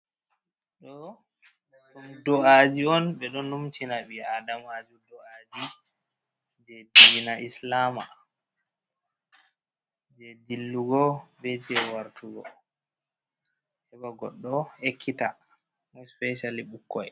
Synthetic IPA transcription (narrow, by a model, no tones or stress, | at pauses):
ɗɔ | ɗumdɔad͡ʒiɔnɓɛɗɔnːumt͡ʃinaɓiadamad͡ʒudɔʔad͡ʒi | d͡ʒedinaʔislama | d͡ʒedilːuɡɔbɛd͡ʒiɛwaɾtuɡɔ | hɛbaɡɔɗːɔekʰːita | mɔjspɛʃaliɓukːɔj